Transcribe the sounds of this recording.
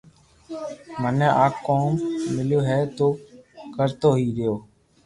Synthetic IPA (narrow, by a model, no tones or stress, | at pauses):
mənẽːʔaːkːoːmːɪljoːɦɛːt̪oːkəɾt̪oːɦiːɗɪjoː